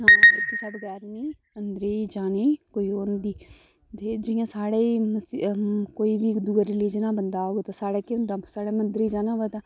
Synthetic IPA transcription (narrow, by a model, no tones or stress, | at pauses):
ɦãːɪt̪ʰːeːsaːɽeːɡɛːɾniː | ənd̪əɾeːd͡ʒaːneːkoːiːoːnd̪iː | d̪ed͡ʒɪjãːsaːɽeːməkoːiːbiːd̪uːaɾɪliːd͡ʒənãːbənd̪aːoːɡet̪aːsaːɽeːkend̪aːsaːɽeːmənd̪ɾiːd͡ʒaːnãːbaːt̪aː